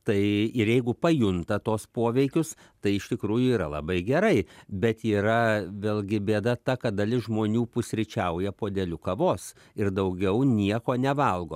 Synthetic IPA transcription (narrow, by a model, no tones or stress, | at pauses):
t̪ɐɪɪɾjɛɪɡʊpɐjʊnt̪ɐt̪oːspoːʋʲɛɪkʲʊs | t̪ɐɪɪʃt̪ʲɪkɾuːjʊiːɾɐlˠɐ̰bɐɪɡʲɛɾɐɪbʲɛt̪iːɾɐʋʲeːlʲˠɡʲɪbʲeːd̪ɐt̪ɐkɐt̪d̪ɐlʲɪsʒmoːnʲuːpʊsʲɾʲɪt͡ʃʲɛʊjɛpoːd̪ʲɛlʲʊkɐʋoːs | ɪrd̪ɐʊɡʲɛʊnʲiɛkoːnʲɛʋɐlˠɡoː